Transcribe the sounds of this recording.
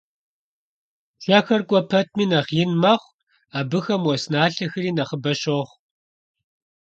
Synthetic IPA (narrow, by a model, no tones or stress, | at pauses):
ɬaxɐrkʷʼɔpʰɐt̚ʰmiːnɐʁjɪnmɐχʷ | aːbɨxɐmwɔsnaːɬɐxɨɾiːnɐχəbɐɕoχʷ